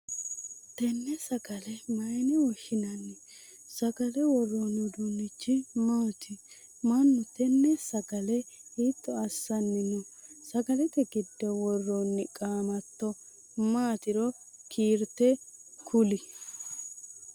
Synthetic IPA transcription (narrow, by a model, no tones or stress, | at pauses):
t̪ɛnːɛsɐɡɐlɛmɐjnɛwɔʃɪnɐnːɪ | sɐɡɐlɛwɔrːonʊd̪unːɪt͡ʃːɪmaːt̪ɪmɐnːʊt̪ɛnːɛsɐɡɐlɛiːt̪ːɔɐsːɐnːɪnʊsɐɡɐlɛt̪ɛɡɪd̪ːɛwɔrːonːɪkʼaːmɐt̪ːɔ | maːt̪ɪɾɔ | kʰiːɾt̪ɛkʰʊlɪ